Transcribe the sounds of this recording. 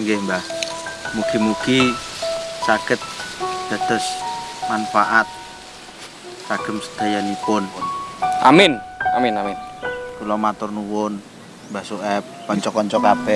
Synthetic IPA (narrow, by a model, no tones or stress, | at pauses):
ɡɛmbahmukimuki | sakət̪̚d̥a̤t̪əsmanfaʔat̪̚ | saɡ̥əmsə̥d̪̥ajalipʊn | ʔa̰mɪna̰mɪnamɪnkulɔmat̪ʊrnuwʊn | basuʔɛp̚kɔɲt͡ʃɔkɔɲt͡ʃɔkapɛ